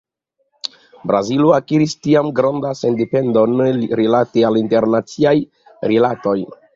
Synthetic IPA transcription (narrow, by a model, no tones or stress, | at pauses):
bɾaziloakiɾistiamɡɾandasendepe̞ndo̞nɾilatealinte̞ɾnat͡siaj | ɾilato̞j